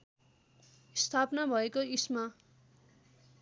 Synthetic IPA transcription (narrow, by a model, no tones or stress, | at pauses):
st̪ʰapnabʱʌekoisma